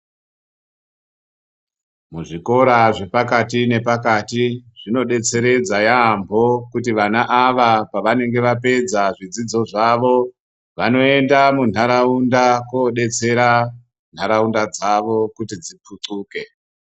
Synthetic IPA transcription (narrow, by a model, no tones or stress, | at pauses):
muʐiko̞ɾaʐe̞pakatine̞pakatiʐ̥ino̞ɗe̞t͡se̞ɾe̞d͡zajaːmbʱo̞kut̬iʋanaʔaʋapaʋane̞ŋɡe̞ʋape̞d͡zaʐid͡zid͡zo̞ʐaʋo̞ | ʋano̞e̞ndamun̤aɾaundakwoɗe̞t͡se̞ɾa | n̤aɾaundad͡zaʋo̞kutid͡zip͡fʰuǀuːke̞